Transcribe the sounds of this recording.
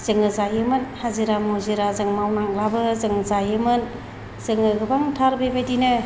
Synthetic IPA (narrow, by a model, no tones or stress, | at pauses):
z̥ɯŋɯzajɯmɯnhaziɾamoziɾazɯŋmawnaŋ̚labɯzɯŋzajɯmɯn | z̥ɯŋɯɡɯbaŋtʰaɾbebajdinɯ